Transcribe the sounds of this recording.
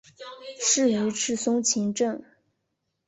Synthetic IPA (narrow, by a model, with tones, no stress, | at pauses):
ʂɻ̩˥˩y˧˥ʈ͡ʂʰɻ̩˥˩sʊ˥ŋt͡ɕʰi˧˥ŋʈ͡ʂɤ˥˩ŋ